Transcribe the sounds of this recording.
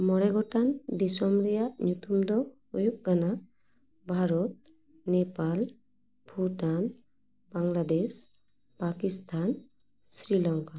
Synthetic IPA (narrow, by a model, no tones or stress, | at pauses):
mɔɽɛɡɔʈand̪isɔmɾɛjaʔɲut̪umd̪ɔ | ujuk̚ɡana | bʱaɾɔt̪̚ | nepal | pʰuʈan | baŋlad̪es | pakist̪ʰan | sɾilɔŋka